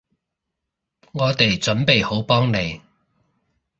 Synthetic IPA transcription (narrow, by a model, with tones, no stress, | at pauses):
ŋɔː˨˧t̪e˨jt͡sɵ˨˥npe˨jho˨˥wpɔː˥ŋne˨˧j